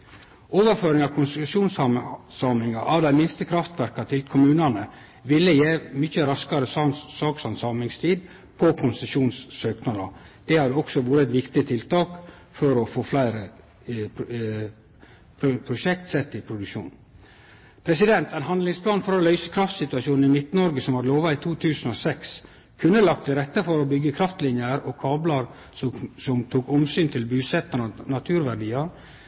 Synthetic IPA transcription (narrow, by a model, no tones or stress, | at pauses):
oːʋəɾføːɾɪŋɑʋkʰʊnsʂuːnsɑmsɑːmɪŋɑʔɑʋd̪æɪmɪnst̪əkʰɾɑft̪ʋæɾkɑt̪ʰɪlkʰʊmʉːnɑnə | ʋɪlːəjeːmʏçəɾɑskɑɾəssɑːksɑnsɑmɪŋst̪ʰiːd̪ | pʰɔkʰʊnsəʂuːnsːøːknɑd̪ɑd̪̥ɛhɑd̪əɔksɔʋuːɾət̪ʋɪkt̪ɪət̪ʰɪlt̪ʰɑːk | fɔɾɔfoːflæɪɾə | pʰʊpʰɾʊʃɛkt̪sɛt̪ːɪpʰɾʊd̪ʉʃṵːn | pʰɾɛsɪd̪ɛnt̪ænɦɑnd̪lɪŋspʰlɑːnfɔɾɔlœʏsə̥kʰɾɑft̪sɪt̪ʉɑʃuːnn̩ɪmɪt̪nəɔɾɡəsɔmhɑɾloːʋɑɪt̪ʰuːt̪ʰʉːsn̩ɔsɛks | kʰʉnːəlɑkt̪ʰːɪlɾɛt̪ːəfɔɾɔbʏɡːəkʰɾɑft̪lɪnjəɾɔkʰɑːblɑɾ | sɔsɔmt̪ʰuːkɔmsyːnt̪ʰɪlbʉːsɛt̪ːənənɑt̪ʰʉːɾʋæɖiːɑɾ